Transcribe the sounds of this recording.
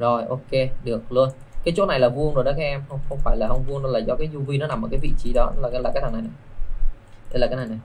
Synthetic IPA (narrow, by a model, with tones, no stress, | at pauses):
zo˨˩jʔo˧ke˧ɗɨ˨˩ək̚lɨ˧ən | kaː˨˦jt͡ɕo˨˦˥na˨˩jlaː˨˩vu˧ənzo˨˩jɗɔ˨˦kaː˨˦˥ʔɛ˧mxə˧wŋ͡mxə˧wŋ͡mfaː˧˩jlaː˨˩hə˧wŋ͡mvu˧əno˧laː˨˩zɔ˧kaː˨˦jzu˧vi˧nɔ˨˦na˨˩mː˨˩kːvḭ˧˨t͡ɕi˧˦ɗɔ˨˦laː˨˩˨laː˨˩aː˦t̪̚ʰːn˨˩jna˨˩j | ɗe˨˧˦laː˨˩kaː˨˦na˨˩jna˨˩j